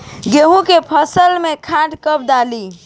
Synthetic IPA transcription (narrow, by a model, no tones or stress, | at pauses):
ɡeɦũkepʰəsəlmekʰaʈkəb̚d̪ali